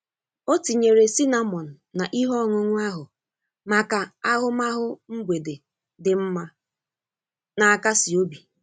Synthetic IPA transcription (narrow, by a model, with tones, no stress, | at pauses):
o˦ti˨ɲe˨ɾe˨si˦na˦mɔ˨n̩˨na˨ʔi˦ɦɔ˦˨ŋʊ˨ŋʷʊ˦a˦ɦʊ˨ | ma˨ka˨a˦ɦʊ˦ma˦ɦʊ˦ŋ̩˦ɡʷe˨de˨ | dɪ˨m̩˦ma˦ | na˨a˦˨ka˦sɪ˨o˦bi˨